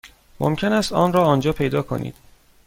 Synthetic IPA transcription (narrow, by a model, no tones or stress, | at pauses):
mʔo̰mcʰe̞næːst̪ɒːnɾɒːɒːnd͡ʒɒːpʰe̞jd̪ɒːkʰo̞̰nḭːd̪̥